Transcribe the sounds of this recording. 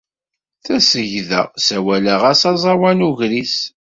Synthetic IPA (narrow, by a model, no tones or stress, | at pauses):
θæsəʝðə̰ʁsæwæləʁæsɑzˤɑwænuʝɾiθ